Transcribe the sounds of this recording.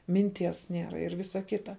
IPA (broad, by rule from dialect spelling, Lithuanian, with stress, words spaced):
mʲɪnʲˈtʲiɛs ˈnʲiɛrɐ ɪr ˈʋʲɪsɐ ˈkʲɪtɐ